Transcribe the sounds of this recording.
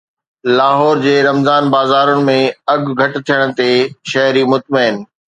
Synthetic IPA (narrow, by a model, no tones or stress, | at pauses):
laːɦɔːɾd͡ʑeːɾɐmzaːnbaːzaːɾʊɽ̃ɪ̆mẽɐɡʱɡʱɐʈɪ̆t̪ʰijəɽ̃̆t̪eʃɐɦɾimʊt̪̚mɐɪn̆